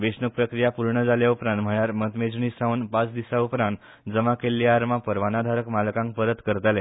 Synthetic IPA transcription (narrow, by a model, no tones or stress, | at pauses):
ʋesnək̚pɾəkɾijapuɾɳəd͡zaljaupɾãnt̪m̤əɭjaɾmət̪med͡znisãunpat͡sd̪isaupɾãnt̪ | d͡zəmakelːjaːɾmapəɾʋanad̪ʱaɾəkmalkãŋk̚pəɾət̪kəɾt̪alɛ